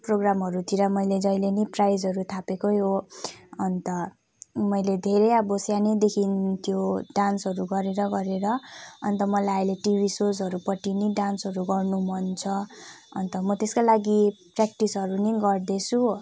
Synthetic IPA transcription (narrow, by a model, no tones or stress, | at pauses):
proɡramɦʌɾut̪ʰiɾʌmʌjled͡zʌjleniprajd͡zʌɾut̪ʰapekojo | ʌnt̪ʌ | mʌjled̪ʱeɾejʌbosjaned̪ekʰint̪joɖansʌɾuɡʌɾeɾʌɡʌɾeɾʌʌnt̪ʌmʌlajajleʈibʱisod͡zɦʌɾupʌʈiniɖansɦʌɾuɡʌrnumʌnt͡sʰʌʌ̰nt̪ʌmʌt̪eskalaɡiprakʈisɦʌɾuniɡʌrd̪et͡sʰu